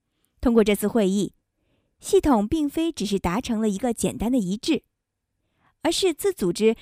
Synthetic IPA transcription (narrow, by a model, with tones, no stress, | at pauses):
t̪ʰʊ˥ŋkwɔ˥˧ʈ͡ʂɤ˥˧t͡sʰɹ̩˥˧xwe˥˧ɪi˥˩ | ɕi˥˩t̪ʰʊ˨˩ŋpi˥˩ŋfe˥ɪʈ͡ʂɻ̩˨˩ʂ̬ɻ̩˥˩t̪a˧˥ʈ͡ʂʰɤ˧˥ŋlə˧i˧˥ɡə˧t͡ɕjɛ˨˩nt̪a˥nd̪ə˨i˧˥ʈ͡ʂɻ̩˥˩ | ə˞˧˥ʂɻ̩˥˧t͡sɹ̩˥˩t͡su˨˩ʈ͡ʂɻ̩˥